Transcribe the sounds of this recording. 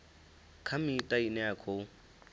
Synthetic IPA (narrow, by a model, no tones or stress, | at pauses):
kʰamɪːtʼainɛakʰo